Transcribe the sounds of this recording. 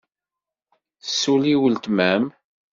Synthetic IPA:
sːuliwəlt̪mæm

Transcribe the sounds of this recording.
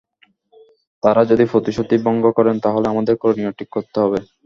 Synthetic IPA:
t̪aɾad͡ʑod̪ifɾot̪iʃot̪ibɔŋɡokɔɾent̪aɦoleamad̪eɾkoɾoniaʈʰikːoɾt̪eɦɔbe

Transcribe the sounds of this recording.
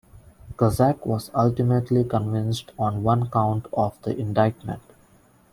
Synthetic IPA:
kəzækʋɔːzʌlʈɪmeʈlikə̃nʋɪ̃nsʈɔ̃ːnʋʌ̃nkãʊ̃ɳʈʰɔːʋd̪̥ḭʔɪ̃ɳɖaɪʈmə̰̃ɳʈ

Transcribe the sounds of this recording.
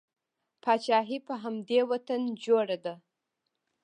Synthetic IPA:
pʰɑt͡ʃɑɦipəɦamd̪ewat̪and͡ʒoɽad̪a

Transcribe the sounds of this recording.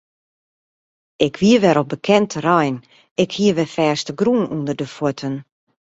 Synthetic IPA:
ɪkʋiəʋɛɾɔbəkʰɛntərajn | ɪkhiəʋɛfɛːstəɡruənundərdəfwotʰən

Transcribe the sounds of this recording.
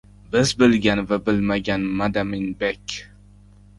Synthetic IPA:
bɪzbɪlɡʲanvabɪlmaɡʲanmad̪amɪnbekʲ

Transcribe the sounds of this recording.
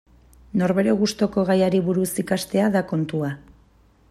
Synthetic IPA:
no̞ɾβe̞ɾeɣust̪o̞ko̞ɣajaɾiβuɾusikast̪e̞aðako̞nt̪ua

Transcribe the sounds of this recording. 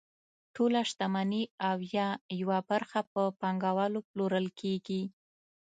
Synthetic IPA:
ʈʰolaʃt̪amaniawjɑjawabaɾxap̚əpɑŋɡawɑloploɾəlkʰeɡi

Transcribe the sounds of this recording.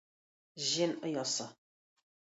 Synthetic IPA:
ʒinəjasa

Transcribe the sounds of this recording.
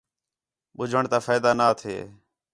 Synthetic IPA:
ɓʊd͡ʒʱəɳt̪aːfaːjd̪aːnaːt̪ʰḛː

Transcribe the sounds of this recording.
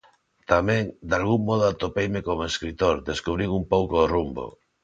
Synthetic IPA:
t̪amɛ̃ŋd̪alɣuŋːɔð̞oat̪opejmekomoeskɾit̪oɾd̪eskuβ̞ɾiwumpowkorumbo̰

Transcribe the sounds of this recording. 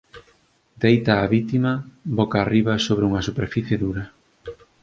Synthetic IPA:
d̪ejt̪aːβit̪imɐbokaːriβɐsoβɾeuŋɐsupeɾfiθjeðuɾɐ

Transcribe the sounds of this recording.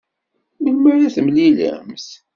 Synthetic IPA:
məlmaɾæθəmlilæ̰mθ

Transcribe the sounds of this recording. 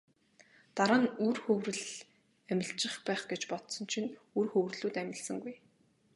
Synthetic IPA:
t̪aɾaːnurxɵwrɘ̆ɮ | æmʲɪ̆ɬt͡ɕɪ̆χpæːχɡet͡ɕpɔt̪sɞ̆nt͡ɕʰinurxɵwrɮuːt̪æmʲɪ̆ɮsə̆ŋɡuj

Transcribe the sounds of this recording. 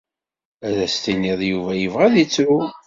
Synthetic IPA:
æðæst̪iniðˤjuvæjəvʁæðit͡sːu

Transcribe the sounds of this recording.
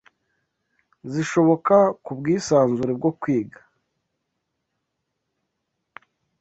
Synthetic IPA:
ziʃo̞βo̞kakubɡiːsaːnzuɾeb̚ɡo̞kwiːɡḁ

